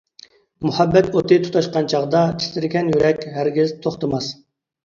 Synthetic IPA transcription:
muhɛbːɛt̪ot̪ʰɨt̪ʰu̥t̪ʰɑʃqɑnt͡ʃʰɑʁd̪ɑt̪ʰi̥st̪ɪɾɡʲɛnjyɾɛkʲɦæɾɡʲɪzt̪ʰoχt̪ɨmɑs

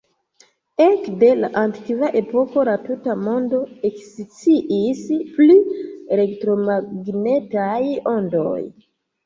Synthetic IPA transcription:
ekde̞laʔanti̥kivaʔe̞po̞ko̞latutamo̞ndo̞eksit͡siʔispliele̞ktɾo̞maɡne̞tajo̞ndo̞̰j

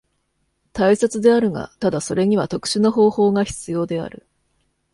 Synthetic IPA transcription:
t̪aisat͡sɨd̪e̞aɾɯ̟ŋa̰t̪ad̪aso̞ɾe̞ɲ̟iβat̪o̞kɯ̟̥ɕino̞ɦo̞ːho̞ːɡaçi̥t͡sɨjo̞ːd̪e̞a̰ɾɯ̟̰

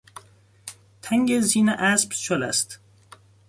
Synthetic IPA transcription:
t̪ʰæŋɟeziːneʔæsbt͡ʃʰolæ̰st̪

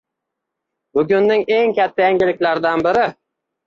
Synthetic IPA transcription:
bʊɡʲʊnːɪŋe̞ŋkʲʰat̪ʰːajaŋɡʲɪlɪkʲlaɾd̪anbɪɾɪ

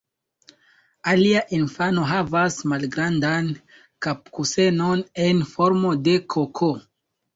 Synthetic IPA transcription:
aliaʔinfano̞ɦavasmalɡɾandan | kap̚kuse̞none̞nfo̞ɾmo̞de̞kʰokʰo

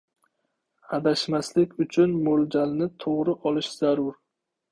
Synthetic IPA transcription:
had̪aʃmaslɪkʲʊt͡ʃʰʊnmold͡ʒalnɪt̪ʰoʁɾɪʔɒlˠɪʃz̥aɾʊɾ

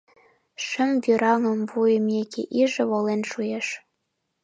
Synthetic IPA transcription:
ʃə̆mvʲyɾɑŋɤ̆mvujə̆mekʲḛʔiʒɘ̆βolenʃujeʃ

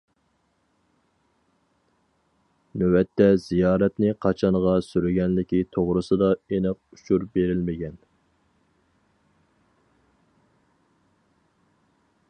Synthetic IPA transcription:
nøwɛt̪ʰːɛzijɑːɾɛt̪nɪqʰɑt͡ʃʰɑɴʁɑsyɾɪɡʲɛnlɪkʲit̪ʰoʁɾɨsɨd̪ɑenɪq̚uʃʰuɾbeɾɪlmɪɡʲɛn

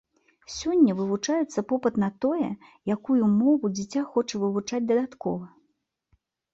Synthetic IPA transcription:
sʲɔnʲːɐvɨvut͡ʂajɛt̪sːɐpɔpɨt̪nɐt̪ɔjɛjakujumɔvud͡zʲit͡sʲaxɔt͡ʂɐvɨvut͡ʂad͡zʲd̪ɐd̪at̪kɔ̰vɐ

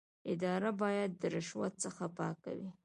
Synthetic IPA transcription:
ɪd̪ɑɾabɑjad̪ːəɾɪʃwat̪̚səxapɑka̰wi

